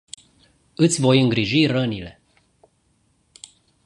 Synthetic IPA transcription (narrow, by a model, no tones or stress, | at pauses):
ɨt̪sʲvo̞jɨŋɡɾiʒirənile̞